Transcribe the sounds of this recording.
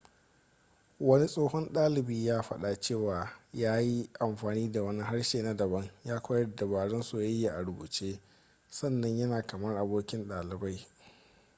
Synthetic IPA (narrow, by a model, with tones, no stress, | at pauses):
wɐ˦ni˦sʼoː˦hɔ˦nɗaː˦lɪ˨biː˦jaː˦ɸɐ˦ɗa˨t͡ʃeː˦˨waː˨jaː˦ji˦ʔa˨mɸaː˨niː˦da˨wɐ˦ni˦ɦa˦ɽʃeː˨na˦dɐ˨bɐ˦ŋjaː˦kʷɐː˦jɐ˦rda˨baː˨ɽɔ˦nsu˦˨ja˦jːa˦ʔa˨ɽʊ˨bṵː˨t͡ʃeː˦ | sɐ˦˨nːɐ˨ɲjɐ˦naː˨kɐ˨mɐ˦rʔa˨boː˦kʲɪ˦nɗaː˨lɪ˨ba˦j